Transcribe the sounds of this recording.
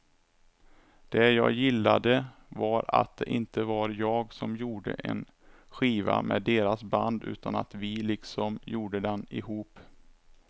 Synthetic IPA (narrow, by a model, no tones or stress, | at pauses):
d̪̥ɛjɑːjɪlːad̪əvaɾa̰t̪̚d̪ɛʔɪnt̪əvaɾjɑːɡsɔmjuːɖə̰ʔɛ̰n | ɧiːvamɛːd̪eːɾasband̪ʉ̟̰ːt̪ana̰t̪vɪlɪksɔmjuːɖəd̪ɛnɪɦuːp